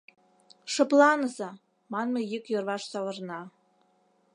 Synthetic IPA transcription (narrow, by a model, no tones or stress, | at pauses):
ʃɤ̆plˠɑnəzɑ | mɑnmɤ̆jikjørvɑʃsɑlɤ̆rnɑ